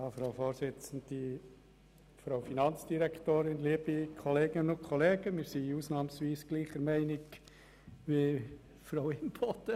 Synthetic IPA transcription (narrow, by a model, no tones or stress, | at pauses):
jɑːfɾafoːɾsɪt͡sn̩d̪̥i | fɾaʊfinɑnt͡sd̥iɾɛktoːɾɪnliəbikʰɔleːɡɪnʊnkʰχɔleːɡəmɪɾsiuːsnɑːmsʋiːsɡ̥liːχəɾmɛɪnɪɡ | ʋe | fɾaʊɪnbot̪ə